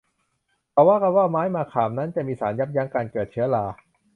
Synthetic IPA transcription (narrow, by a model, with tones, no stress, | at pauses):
pʰɔː˧˩waː˥˩ka˧˩waː˥˩maː˦˥jmaː˧kʰaː˨˩mna˦˥nt͡ɕa˨miː˧saː˩˦nja˦˥p̚ja˦˥ŋkaː˧nkɤː˨˩t̪̚t͡ɕʰɯ˦˥ɐlaː˧